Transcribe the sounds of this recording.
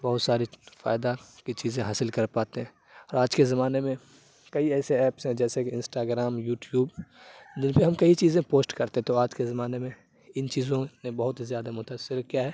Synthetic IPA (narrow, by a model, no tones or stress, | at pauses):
bɐɦʊt̪saːɾifa̰ːɪd̪akit͡ʃiːzẽɦaːsɪlkɐɾpaːt̪eɦɛ̃ː | ɔːɾaːd͡ʒkezɐmaːnemẽ | kɐiɛːseɛːpsɦɛ̃d͡ʒɛːsekiɪ̃nsʈaːɡɾaːmjuːʈjuːbd̪ɪnpeɦɐmkɐit͡ʃiːzẽpoːsʈkɐɾt̪eɦɛ̃t̪oaːd͡ʒkezɐmaːnemẽ | ɪnt͡ʃiːzõnebɐɦʊt̪zjaːd̪amʊt̪aːsːɪɾkijaɦɛː